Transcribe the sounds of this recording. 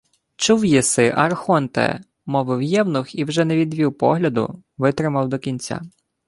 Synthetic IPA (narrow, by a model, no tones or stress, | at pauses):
t͡ʃuwjisɪʔɐrxɔnt̪ɛ̰ | mɔʋɪwjɛwnɔxiwʒɛnɛʋʲid̪ʲʋʲiwpɔ̰ɦlʲɐd̪ʊ̰ | ʋɪt̪ɾɪmɐwd̪ɔkʲinʲt͡sʲa̰